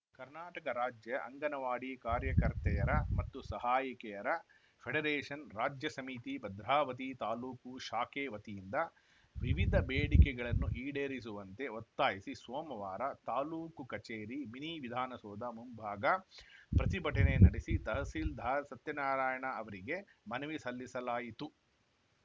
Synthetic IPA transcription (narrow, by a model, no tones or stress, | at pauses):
kɐɾnaːʈɐkɐɾaːd͡ʒjɐʔɐ̰ŋɡɐnɐʋaːɽikaːɾjɐkɐɾt̪ɛjɐɾɐmɐt̪ːusɐɦaːjikɛjɐɾɐ | pʰeɽeɾeːʂɐnɾaːd͡ʒjɐsɐmit̪ibɐd̪ɾaːʋɐt̪̬it̪aːluːkuʃaːkeːʋɐt̪ijind̪ɐ | ʋiʋid̪ʱɐbeːɽikɛɡɐɭɐnːuʔiːɽeːɾis̬uʋɐnt̪e̞ot̪ːaːjisisʋoːmɐʋaːɾɐt̪aːluːkukɐt͡ʃeːɾiminiʋid̪ʱaːnɐsɔːd̪ɐmumbʱaːɡɐpɾɐt̪ibʱɐʈɐnenɐɽisit̪ɐɦɐsiːld̪ʱaːsɐt̪jɐnaːɾaːjɐɳɐɐʋɐɾiɡe̞mɐnɐʋisɐlːisɐlaːjit̪u